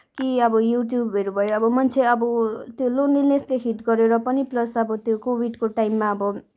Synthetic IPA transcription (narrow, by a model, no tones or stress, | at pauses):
kiʌbʌjuʈjubɦeɾubʱʌjoʌbʌmʌnt͡sʰeʌbʌt̪jolonːilnesleɦʰiʈɡʌɾeɾʌpʌniplʌsʌbʌt̪jokobiɖkoʈajmːaʌbʌ